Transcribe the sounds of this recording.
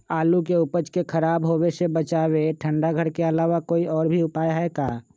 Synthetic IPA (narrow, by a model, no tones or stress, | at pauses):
aːlukeʊpət͡ʃkekʰəɾaːbɦoːesebət͡ʃaːweʈʰə̃ɳɖaɡʱəɽkeɐlaːʋakoːiɔːɾbʱiʊpaːjɦɛkaː